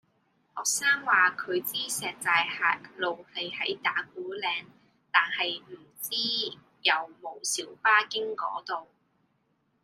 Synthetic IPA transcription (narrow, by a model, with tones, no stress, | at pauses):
hɔː˨k̚saː˥ŋwaː˨kʰɵ˨˧ɥt͡siː˥sɛː˨k̚t͡saː˨jhaː˨˩t̚lo˨wlɐ˨jhɐ˨˥jt̪aː˨˥k̚uː˨˥lɛː˨˧ŋ | t̪aː˨nhɐ˨jm̩˨˩t͡siː˥ | jɐ˨˧wmo˨˩wsiː˨˥wpaː˥kɪ˥ŋkɔ̰ː˨˥t̪o˨w